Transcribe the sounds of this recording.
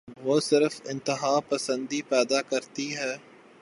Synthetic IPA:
ʋoːsɪɾəfɪ̃nt̪ɪɦaːpɐsə̃nd̪ipɛːd̪akɐɾt̪iɦɛː

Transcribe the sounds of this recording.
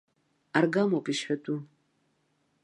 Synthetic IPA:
arɡamokʼiʃħʷᶣatʰʼu

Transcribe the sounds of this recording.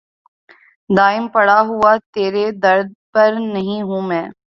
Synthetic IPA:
d̪aːɪmpɐɽaɦʊat̪eːɾed̪ɐɾd̪̚pɐɾnɐɦĩɦũːmɛ̃ː

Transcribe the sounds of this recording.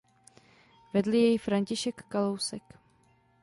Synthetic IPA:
vɛdlɪjɛjfɾaɲcɪʃɛkːalowsɛk

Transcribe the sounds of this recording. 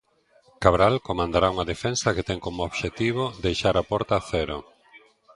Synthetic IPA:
kaβɾalkomãnd̪aɾauŋaðefɛnsɐket̪ɛŋkomooβʃet̪iβod̪ejʃaɾapɔɾt̪aθɛɾo

